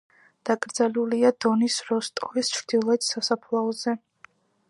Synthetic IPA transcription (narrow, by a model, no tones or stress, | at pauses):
d̪̥akʼɾd̪zaluliad̪̥ɔnisɾɔst̪ʼɔvist͡ʃʰɾd̪̥ilˠɔɛt̪ʰsasapʰlˠaɔzɛ